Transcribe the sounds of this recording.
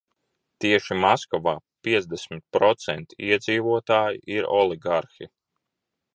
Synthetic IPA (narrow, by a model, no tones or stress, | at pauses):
t̪iɛʃimaskɔvaːpʲiɛd̪zd̪esmit̪̚pɾɔt̪sɛnt̪i̥iɛd̪ziːvuɔt̪aːjḭʔiɾɔ̰lˠiɡaɾxi